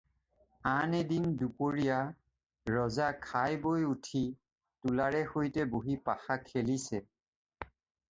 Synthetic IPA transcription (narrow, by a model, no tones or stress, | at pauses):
anedindupoɹija | ɹɔzakʰajbojutʰi | tulaɹɛxojtɛboɦipaxakʰelisɛ